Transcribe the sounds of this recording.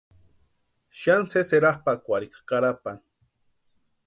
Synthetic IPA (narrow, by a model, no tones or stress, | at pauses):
ʃanseseɾaχpakʷaɾikḁkaɾapan